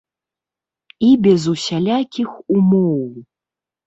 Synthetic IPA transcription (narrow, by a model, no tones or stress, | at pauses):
ibʲɛzusʲalʲakʲixumɔw